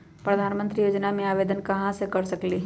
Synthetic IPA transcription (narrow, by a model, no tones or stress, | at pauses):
pɾəd̪ʱaːnmə̃nt̪ɾijoːd͡ʒnamẽaːʋeːd̪ənkɐɦãsekɐɾsɐkli